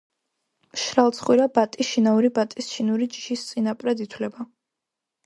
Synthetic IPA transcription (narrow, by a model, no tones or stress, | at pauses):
ʃɾalˠt̪sʰχwiɾabat̪ʼiʃinauɾibat̪ʼisʃinuɾid͡ʒi̥ʃist̪sʼinapʼɾɛd̪it̪ʰwlɛba